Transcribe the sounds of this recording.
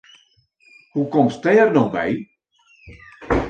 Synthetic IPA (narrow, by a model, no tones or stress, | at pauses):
hukɔmstɛrnɔxbɛ̰j